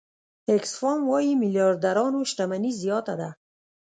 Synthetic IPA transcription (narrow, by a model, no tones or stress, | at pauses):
eksfɔmwɔjimɪljɑɾd̪aɾɔnoʃʈamanizijɔt̪ad̪a